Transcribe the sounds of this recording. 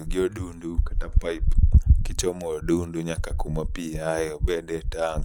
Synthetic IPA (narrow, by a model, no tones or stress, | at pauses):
uɡiɔɗundukandapaipkit͡ʃɔmɔɗunduɲakakumapiajɔɓɛɗɛtaŋɡ